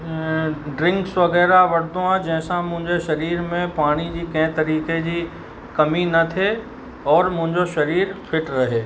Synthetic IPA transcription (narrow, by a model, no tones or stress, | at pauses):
ɖɾɪ̃ŋksʋɐɣɛːɾaʋɐɽd̪oãd͡ʑɛ̃ɦɪ̃sãmʊ̃ɦɪ̃ɲd͡ʑeʃɐɾiːɾmẽpaːɽ̃id͡ʑikɛ̃ɦt̪ɐɾiːked͡ʑi | kɐminɐt̪ʰe | ɔːɾmʊ̃ɦɪ̃ɲd͡ʑoʃɐɾiːɾpʰɪʈɾɐɦeː